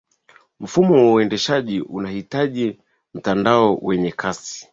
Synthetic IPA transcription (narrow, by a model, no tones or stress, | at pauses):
m̩fumɔwauɛndɛʃaʄiʔunahitaʄi | m̩tandaɔwɛɲɛkʰasi̥